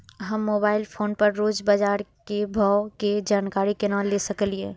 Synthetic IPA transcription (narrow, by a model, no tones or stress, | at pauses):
ɦəmːoːbaːɪlpʰoːnɖpəɾɾoːd͡ʒbad͡ʒaːɾkebʱaʊked͡ʒaːnkaːɾikenãːlesɐkəlieː